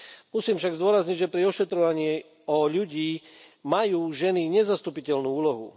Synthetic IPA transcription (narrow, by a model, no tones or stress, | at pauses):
musiːmfʃaɡzd̪ʊɔɾazɲiɟʒɛpɾiɔʃɛt̪ɾɔʋaɲɪɛ | ɔʎuɟiː | majuːʒɛniɲɛzast̪upicɛlnuːuːlɔɦṵ